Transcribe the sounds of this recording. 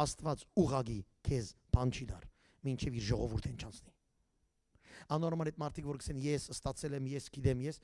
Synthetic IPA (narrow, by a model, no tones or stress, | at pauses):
ɑst̪vɑt͡suʁɑkikʰɛzpʰɑnt͡ʃʰid̪ɑr | mint͡ʃʰɛviɾʒɔʁɔvuɾt̪ʰɛnt͡ʃʰɑnt͡sʰni̥ | ɑnɔɾmɑnɛt̪̚mɑɾt̪ʰikʰvɔɾkʰə̥sɛnjɛsəst̪ɑt͡sʰɛlɛmjɛsɡ̥id̪ɛmjɛs